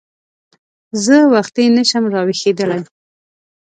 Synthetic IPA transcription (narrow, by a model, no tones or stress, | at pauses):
zəwaxt̪inəʃamɾɑwexed̪əlaj